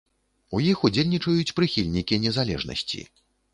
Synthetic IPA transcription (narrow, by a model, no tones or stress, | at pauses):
ujixud͡zʲelʲnʲit͡ʂɐjut͡sʲpɾɨxʲilʲnʲikʲiɛnʲɛzalʲɛ̰ʐnɐ̰sʲt͡sʲḭ